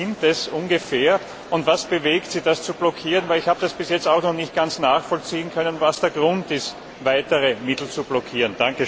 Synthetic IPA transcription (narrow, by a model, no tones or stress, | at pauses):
ɪntɛsʔʊnɡəfeːɐ | ʊntvasb̥əveːktsɪd̥ast͡sub̥lɔkʰiːʁənvæɪlɪçhaːbəd̥asb̥ɪsjɛt͡staʊxnɔχnɪçt̚ɡ̥ant͡snaːxfɔlt͡siːənkʰœnənvasd̥eːɐɡʁʊntɪst | vaɪtəʁəmɪtl̩t͡sub̥lɔkʰiːʁənd̥aŋkə